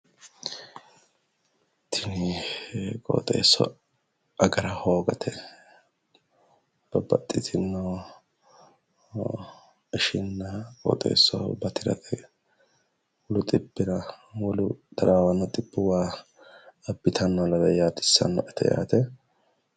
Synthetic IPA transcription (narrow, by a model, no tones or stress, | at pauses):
t̪ʰːɪnɪ | kʼo̰ːt̪ʼḛːsːɔ̰ | ɐɡɐɾɐho̞ːɡɐt̪ʰɛ | b̥ɐbɐt̪ʼːɪt̪ʰɪnːɔ | ɪʃɪnːɐkʼɔ̰ːt̪ʼḛːsːɔbɐt̪ɪɾɐ̰ɛ | wɔlʊt̪ʼɪbːɪɾɐwɔlʊd̪̥ɐɾaːwɐnːɔt̪ʼɪbːʊwaː | ɐbːɪt̪ʰɐnːɔlɐd̪ɐjaːt̪ɪ̥sːɐ̰nːɔʔɛt̪ʰɛja̰ːt̪ɛ